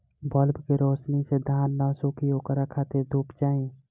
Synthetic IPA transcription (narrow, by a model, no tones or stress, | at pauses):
bəlbkeɾoːsnised̪ʱaːnːasukʰioːkəɾakʰaːt̪ed̪ʱuːpt͡ʃaːĩ